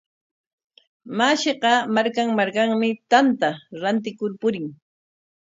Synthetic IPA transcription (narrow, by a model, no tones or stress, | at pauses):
maʃeɢɑmaɾkaŋmaɾkaŋmɪt̪ant̪aɾant̪ɪkʊɾpʊɾɪŋ